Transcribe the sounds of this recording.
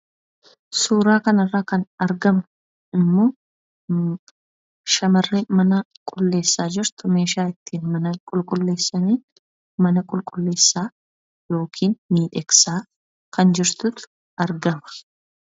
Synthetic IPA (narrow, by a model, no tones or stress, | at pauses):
suːɾaːkɐnɐrːaːkɐnɐɾɡɐmɐ | ɪmːoː | ʃɐmɐrːemɐnɐ | kʼʊlːe̞ːsːaːd͡ʒɪɾt̪ʊme̞ːʃaːɪt̪ːiːnmɐnɐkʼʊlkʼʊlːeːsːɐniː | mɐnɐkʼʊlkʼʊlːe̞ːsːaː | jo̞ːkʰiːnmiːᶑɛksaː | kɐnd͡ʒɪɾt̪ʊt̪ʊ̥ | ʔɐɾɡɐmɐ̥